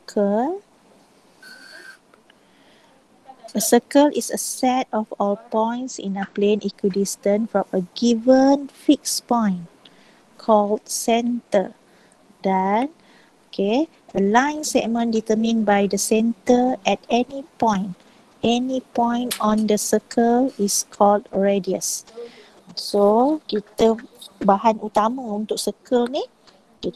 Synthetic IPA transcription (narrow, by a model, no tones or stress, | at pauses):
kʰəl | əsəkəlʔisə̰sɛtɔfɔpɔ̃j̃ntsḭ̃naplẽnʔikudistə̃nfɹɔ̃məɡivə̃nfikspɔ̃ɪ̃n | kʰɔldsɛ̃ntə | dɛn | okʰe | əlãj̃nsɛk̚mə̃ndit̪əmĩnbajdəsɛ̃ntəɛtɛnipɔ̃j̃n | ɛnipɔ̃j̃ntɔ̃ndəsəkʰəliskʰɔldɹediə̰s | sokit̪əbahãnut̪aməunt̪ʊk̚səkʰəlni | ki